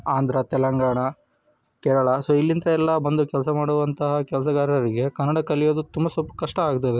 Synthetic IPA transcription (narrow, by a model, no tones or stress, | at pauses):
aːnd̪ʱɾɐt̪ɛlɐŋɡaːɳɐ | kɛɾɐɭɐsoːilːint̪ɐɛlːɐbɐnd̪ukɛlɐsɐmaːɽuʋɐnt̪ɐɦɐkɛlɐs̬ɐɡaːɾɐɾiɡe̞kɐnːɐɽɐkɐlijoːd̪ut̪umbɐsupkɐʂʈɐaːɡt̪ːɐd̪e